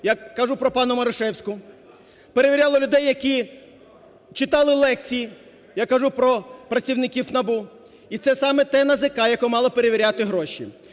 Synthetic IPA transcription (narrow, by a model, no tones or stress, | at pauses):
jɐkːɐʒupɾɔpɑnʊmɐɾɔʃɛwsʲkʊ | peɾeʋʲiɾʲalˠɔlʲʊd̪ɛjːɐkʲi | t͡ʃɪt̪ɑlˠɪlˠɛk̚t͡sʲiji | jakɐʒupɾɔpɾɐt͡sʲiwnɪkʲiwnɐbu | it̪sɛsɑmɛt̪ɛnɐzɪkɑjɐkɔmɑlˠɔpeɾeʋʲiɾʲat̪ɪɦɾɔʃʲḭ